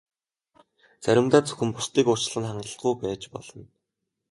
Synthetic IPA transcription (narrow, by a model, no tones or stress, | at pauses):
t͡sæɾʲɪ̆mt̪aːt͡sɵ̥xɘ̆mpʊst̪iːkʊ̥t͡ɕ̆ɮə̆nχaɴɢə̆ɬɡujpæːt͡ɕpɔ̰ɮɞ̆n